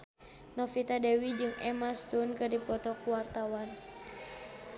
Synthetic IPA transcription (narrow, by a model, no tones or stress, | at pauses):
nɔfit̪adɛwid͡ʒɨŋɛ̰mast̪unkɨrdipɔt̪ɔkuwart̪awan